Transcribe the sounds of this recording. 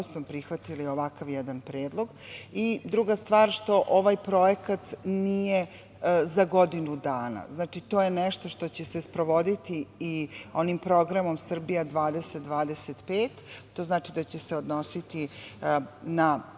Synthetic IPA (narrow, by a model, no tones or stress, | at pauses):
sopɾixʋat̪ilio̞ʋakaʋjɛd̪anpɾeːd̪lˠo̞ɡid̪ɾuɡast̪ʋaːɾʃt̪o̞ʔoʋajpɾo̞jekat̪nije | zaɡo̞d̪inud̪aːna̰znaːt͡ʃit̪o̞ːjenɛʃt̪o̞ʃt̪o̞t͡ɕesespɾo̞ʋo̞d̪it̪iː | o̞nimpɾo̞ɡɾamo̞msr̩bijad̪ʋaːd̪eset̪̚d̪ʋaːd̪eset̪peːt̪t̪ːo̞ːznaːt͡ʃid̪at͡ɕeseod̪no̞sit̪i | na